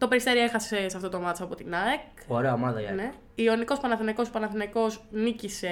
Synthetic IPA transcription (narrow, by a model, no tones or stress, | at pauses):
t̪o̞peɾist̪eɾie̞xɐsse̞sɐft̪ot̪omɐt̪t͡sɐpo̞t̪inɐek | oɾeɐomɐðɐʝɐ̰ne | io̞niko̞spɐnɐθinɐko̞spɐnɐθinɐko̞snicise̞